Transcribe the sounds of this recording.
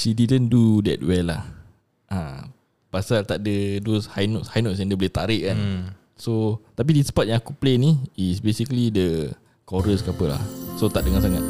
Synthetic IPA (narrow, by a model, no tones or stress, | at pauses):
ʃididəndudɛ̰t̚wɛlːa̰h | ʔã̰ | pasalt̪aʔ̚dədoshajnɔʔshajnɔtsɛ̃ndəbolɛht̪aɾɪʔkann | sot̪ap̬idispat̚jãŋakupleniisbesikəlidə | kɔɾəskapəla̰hsot̪aʔ̚dəŋãnsaŋat̪̚